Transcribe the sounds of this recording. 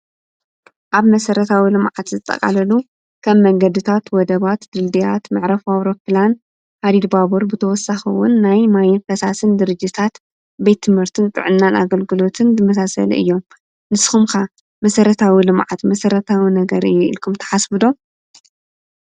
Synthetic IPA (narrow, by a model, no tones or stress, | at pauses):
ʔaβmɐsɐɾɐt̪ʰawilɨmʕat̪zɨt̪ʼːɐ̰kʼa̰lɐlu | kʰɐmːɐŋɡɐd̪ɨt̪ʰat̪wɔd̪ɐβat̪d̪ɨld̪ijat̪mɨʕɾɐfawɾopʰlan | had̪id̪babuɾbɨt̪ʰɐwɔsaxɨwʊ̰nːajmajifɐsasɨnd̪ɨɾɨd͡ʒːit̪ʰat̪ | bejt̪ʰːɨmhɨɾt̪ʰɨnt̪ʼɨ̰ʕɨnːana̰ɡɐlɡɨlo̞t̪ʰɨnzɨmɐsasɐ̰lɨ̰jːo̞m | nɨsxumkʰa | mɐsɐɾɐt̪ʰawilɨmʕat̪mɐsɐɾɐt̪ʰawinɐɡɐɾɨjːuʔḭlkʰumt̪ʰɐ̥ħasbɨd̪o̞